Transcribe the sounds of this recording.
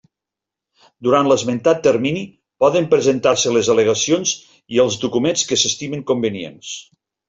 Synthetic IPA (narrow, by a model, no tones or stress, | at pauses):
d̪uɾant̪ləzment̪at̪ːəɾmini | pɔðəmpɾəzənt̪aɾsələzələɣəsionz | iəlˠzd̪ukumenskəsəst̪iməŋkumbəniḛns